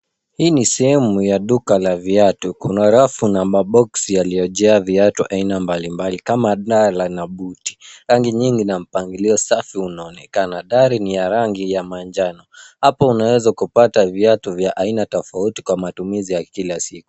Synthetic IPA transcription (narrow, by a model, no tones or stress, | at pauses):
hiːnisɛhɛmujaɗukalaviatukunɔɾafunaɓaɓɔksjalijɔʄɛaviatuʔainambalimbalikamaɗalanaɓuti̥ɾaŋɡiɲiŋɡinam̩paŋɡiliɔsafiunaɔnɛkanaɗaɾinijaɾaŋɡijamand͡ʒanɔhapɔunawɛzakupataviatuvjaʔainatɔfauti̥kwamatumizijakilasiku